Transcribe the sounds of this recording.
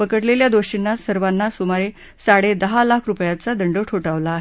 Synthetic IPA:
pəkəʈleljad̪oɕinːasəɾʋanːasumaɾe | saɽed̪əɦalakʰɾupjat͡sad̪əɳɖəʈʰoʈaʋlaːɦe

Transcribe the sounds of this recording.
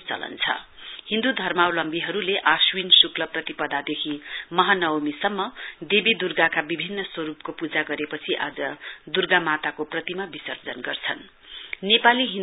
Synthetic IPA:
t͡sʌ̰lʌ̰nt͡sʰʌ̰ | hĩnd̪ud̪ʱʌrmawlʌmbiɦʌɾuleʔaswinsuklʌprʌt̪ipʌd̪ʱad̪ekʰimʌɦanʌwmisʌmːʌd̪ebid̪urɡakabibʱinːʌswʌɾupkopud͡zaɡʌɾepʌt͡sʰiʔa̰d͡zʌd̪urɡamat̪akoprʌt̪imabisʌrd͡zʌnɡʌrt͡sʰʌn | nepaliɦĩn

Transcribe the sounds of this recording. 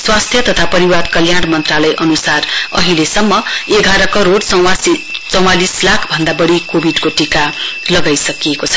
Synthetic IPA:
swast̪ʰjʌt̪ʌt̪ʰapʌɾiwad̪kʌljaɽmʌnt̪ralʌjʔʌnusarʌ̰ɦilesʌmːʌeɡʱaɾʌkʌɾoɽt͡sʌw̃wasit͡sʌw̃alislakʰbʱʌnd̪abʌɽikobʱiɖkoʈikalʌɡajsʌkiekot͡sʰʌ̥

